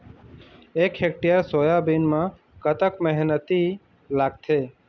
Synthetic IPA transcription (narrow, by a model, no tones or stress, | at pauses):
ekɦek̚ʈijəɾsoːjabinmã | kət̪əkmɛɦnət̪i | laːɡ̚t̪ʰeː